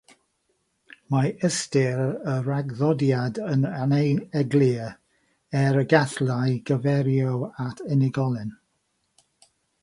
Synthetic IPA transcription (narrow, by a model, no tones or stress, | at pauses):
maəstɪɾəɾaɡðɔdjadənanejɛɡli | ɛɾəɡaθlajɡ̥əvɛɾjɔwatʰɛnɪɡɔlˠɪn